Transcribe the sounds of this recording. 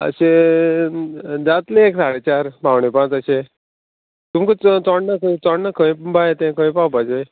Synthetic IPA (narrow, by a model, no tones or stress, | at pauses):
ə̰ɕe | d͡zat̪lẽːksaɽet͡ɕaɾpawɳepãt͡səɕe | t̪umkət͡st͡sɔɽnakət͡sɔɽnakʰə̃j̃bajet̪ẽkʰə̃j̃pawpat͡ɕe